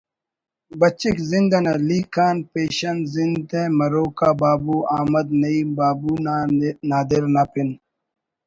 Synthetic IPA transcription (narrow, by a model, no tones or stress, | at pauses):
bɐt͡ɕikzind̪ɐnɐliːkʰaːnpeːɕɐnzinẽmɐɾoːkaːbaːbuːaːmɐd̪nɐiːbaːbuːnaːd̪iɾnapin